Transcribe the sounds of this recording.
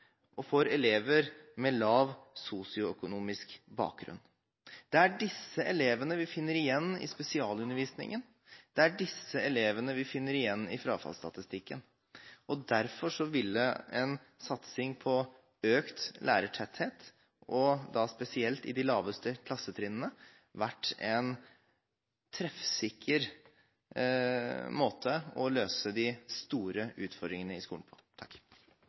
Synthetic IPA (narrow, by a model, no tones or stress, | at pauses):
ʔɔfoːɾɛleːʋəɾmɛlɑːʋsuːsɪʊœkʊnuːmɪskbɑ̰ːk̚ɡɾʉ̰n | d̪̥ɛæɖɪsːəʔɛleːʋənəʋɪfɪnːəɾɪjɛnːɪ̰spɛsɪɑːlʉnːəɾʋiːsnɪ̰ŋən | d̪̥ɛæɖɪsːəɛleːʋənəʋɪfɪnːəɾɪjɛnːɪfɾɑːfɑ̰lst̪ɑ̰t̪ɪst̪ɪkːə̰n | ɔd̪æɾfɔʂɔʋɪlə̰ɛn | sɑt̪sɪŋpʰɔ | øːkt̪lʔæ̰ːɾəʈʰɛt̪heːt̪ | ʔɔd̪ɑspɛsɪɛlt̪ɪ̰d̪ɪlɑːʋəst̪əkʰlɑsːət̪ʰɾɪnənə | ʋæʈːɛn | t̪ʰɾɛfsɪkʰːəɾ | moːt̪ʰəɔløːsəd̪ɪst̪uːɾəʉːt̪fɔɾɖ̪ɾɪŋənəɪskṵːnpʰɔ̥t̪ʰɑkː